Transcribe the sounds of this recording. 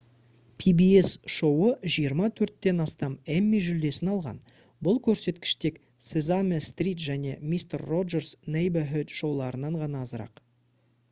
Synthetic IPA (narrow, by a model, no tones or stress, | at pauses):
pʰibie̞sʃo̞wəʒijəɾmɑt̪ʰɵɾt̪ːe̞nɑst̪ɑmemːiʒʏld̪e̞sɪnɑlˠʁɑ̰n | bʊlˠkʲʰɵɾse̞t̪kʲɪ̥ʃt̪e̞k | sezamest̪rʲit̪ʒæne̞mist̪erːo̞ʒe̞rsnejbaɦʏt̪ʃo̞wlˠɑɾənɑɴʁɑnɑːzəɾɑ̰q